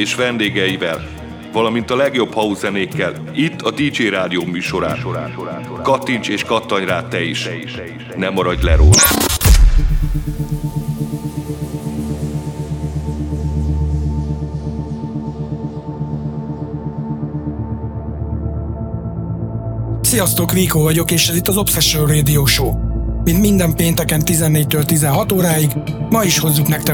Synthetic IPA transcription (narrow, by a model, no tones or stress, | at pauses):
eːʃʋɛnd̪eːɡɛjivɛl | vɒlɒmint̪ɒlɛɡjo̞bhɒuzɛneːkːɛl | it̪ːɒd̪iːd͡ʒeːɾaːd̪ijoːmyːʃo̞ɾa̰ːnɾː | kɒt̪ːint͡ʃeːʃkɒt̪ːɒɲraːt̪ːɛiʃʃ | nɛmɒɾɒɟlɛɾoːlɒ̰ | sijɒst̪oːkʋiːkoːvɒɟo̞keːʃɛzit̪ːɒzo̞psɛʃølreːd̪ijoːʃoːmint̪mind̪ɛmpeːnt̪ɛkɛnt̪izɛnːeːc̚t̪øːlt̪izɛnɦɒt̪oːɾaːjiɡ | mɒiʃho̞zːuknɛkt̪ɛ